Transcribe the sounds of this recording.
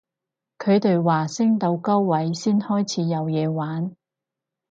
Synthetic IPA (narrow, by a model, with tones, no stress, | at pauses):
kʰɵ˨˧ɥt̪e˨jwaː˨˩sɪ˥ŋt̪o˨˧wkɐ˥wːɐ˨˥jsiː˥nhɔː˥jt͡sʰiː˨˧jɐ˨˧wjɛː˨˧waː˨˥n